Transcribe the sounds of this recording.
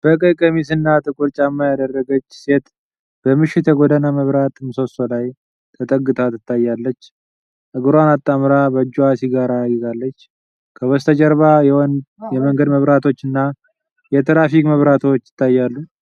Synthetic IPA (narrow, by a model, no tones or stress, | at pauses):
b̥əkʼɨkʼəmisɨnːat̪ʼɨkʼuɾt͡ʃʼamːajad̪ərːəɡət͡ʃːse̞t̪ | b̥əmɨʃɪt̪jɛɡod̪ənaməβɾat̪ɨmso̞so̞laj | t̪ʰət̪ʼəɡːɨt̪ʰʼat̪ɨt̪ʰːajːalːət͡ʃː | ʔɨɡɨɾanat̪ʼːamɾabəd͡ʒːuasiɡaɾajːɪzalːət͡ʃː | kʰəwɔst̪ʰəd͡ʒʼəɾβajɛnjɛməŋɡəd̪məβɾat̪ʰo̞t͡ʃːɨnːa | jɛt̪ʰɾafikməβɾat̪ʰo̞t͡ʃːɪ̥t̪ʰːajːalːu